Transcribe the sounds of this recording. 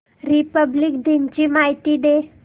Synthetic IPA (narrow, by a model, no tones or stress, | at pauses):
ɾipəblik̚d̪ʱint͡ɕimaɦit̪id̪e